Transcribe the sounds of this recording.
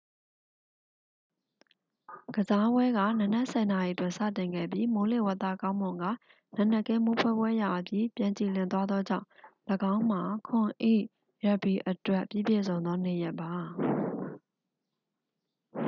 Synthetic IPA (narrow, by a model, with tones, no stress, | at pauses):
ɡ̥əza˦bwɛ˦ɡä̰˦˨nə˨nɛ˦ʔsɛ˨na˨ji˨ətwɪ̃˦˨nsä̰˦˨tɪ̃˨ŋɡɛ̰˦˨bji˦mo˨lḛ˦˨wa˦˨t̪ːä̰˦˨kã˦ʊ̃mʊ̃˨ŋɡa̰˦˨ | nã˦˨nɛ˦˨kɛ̃˦mo˦pʰwɛ˦˨bwɛ˦ja˨ʔəpʰji˦˨pjã˨ɲt͡ɕi˨lɪ̃˨nt̪wa˦d̪ðɔ˦d͡ʑã̰˦˨ʊ̃ləɡã˦ʊ̃m̥a˨kʰʊ̃˨ʔḛ˦˨ʔ | ɹɛ˨pi˨ʔətwɛ˦ʔpjḭ˦˨bje˦˨zõ˨ʊ̃nd̪ðɔ˦ne˨jɛ˦ʔpːa˨